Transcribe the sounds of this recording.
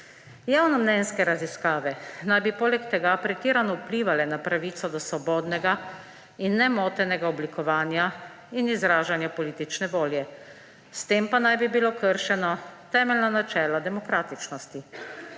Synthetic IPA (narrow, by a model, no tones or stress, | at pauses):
jaːwnɔmnɛnskɛɾaziskaːʋɛnajbipoːlɛkt̪ɛɡapɾɛt̪iːɾanɔwupliːʋalɛnapɾaʋiːt̪sɔd̪ɔsʋɔbɔːd̪nɛɡa | inːɛmoːt̪ɛnɛɡaɔblikɔʋaːnja | inizɾaːʒanjapɔliːt̪it͡ʃnɛʋoːljɛ | st̪eːmpanajbibilokəɾʃɛnɔt̪ɛːmɛlnanat͡ʃɛːlad̪ɛmɔkɾaːt̪it͡ʃnɔst̪i